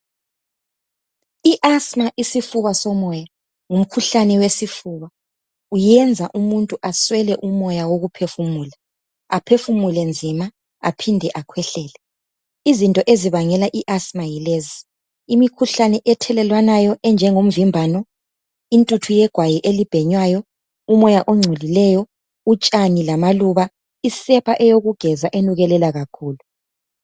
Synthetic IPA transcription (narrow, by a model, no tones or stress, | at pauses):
iʔasmaʔisifuβasɔmɔja | ŋum̩kʰuɬanɛwesifuːβa | ujɛnd͡zʱaʔumuntʼuʔaswɛlɛʔumɔjawoɣupʰefumuːla | apʰefumulɛnd͡zʱima | apʰindʱɛʔakʰwɛɬɛːlɛ | izintʼɔʔeziβaŋɛlaʔiʔasmailezi | imikʰuɬanɛʔɛtʰɛlɛlwanajɔʔɛnd͡ʒʱɛŋom̩vimbʱaːnɔ | intʼutʰujɛɡ̥ʱwajiʔelib̥ʱɛɲwajɔ | umɔjaʔoŋ͡ǀʱulilɛjɔ | ut͡ʃʼanilamaluβa | isɛpʰaʔɛjoɣuɡ̥ʱɛzaʔenuɣɛlɛlaɣakʰuːlu